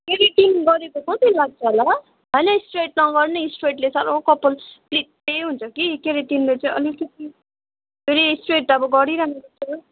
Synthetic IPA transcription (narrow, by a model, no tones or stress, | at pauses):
keɾiʈinɡʌɾekokʌt̪ilaɡ̚t͡sʰʌɦola | ɦʌjnʌsʈreʈ̚nʌɡʌrnesʈreʈlesʌɾowkʌpːʌlplik̚t̪eɦunt͡sʰʌkikeɾiʈinlet͡saĩʌ̰likʌt̪̚i | bʱeɾisʈreʈʌbʌɡʌɾiɾaɦnusʌt̪ʰʌ